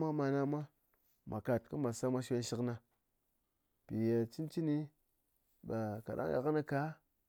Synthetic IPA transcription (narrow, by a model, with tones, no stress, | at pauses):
ma˦ma˧na˦mʷa˦ | ma˨ka˨t̚kɨ˦ma˨sa˦mʷa˧ʃe˧n˦ʃi˦kna˧ | pi˨je˨t͡ʃi˦nt͡ʃi˦ni˦ | ɓa˨ka̰˨ɗa̰˦ŋja̰˨kna˧ka˨˦